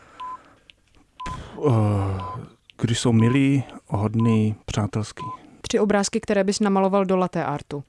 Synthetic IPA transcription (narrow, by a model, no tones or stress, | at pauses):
p | ɡ̥dɪʃsowmɪliːɦodniːpr̝̥aːt̪ɛlskiːt̪r̥ɪo̞bɾaːskɪkt̪ɛɾɛːbɪsnamalo̞valdolat̪ɛːʔaɾt̪u